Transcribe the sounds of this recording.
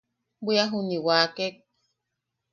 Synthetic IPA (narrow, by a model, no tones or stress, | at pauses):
biaɦuniwaːkek̚